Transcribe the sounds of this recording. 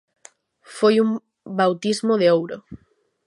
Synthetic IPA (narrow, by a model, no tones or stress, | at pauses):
fojum | bawt̪izmoðeowɾo